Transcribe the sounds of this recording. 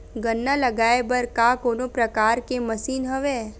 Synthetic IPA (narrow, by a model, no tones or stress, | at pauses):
ɡənːalɐɡaːebəɾkakoːnopɾɐkaːɾkemɐsiːnɦəʋeː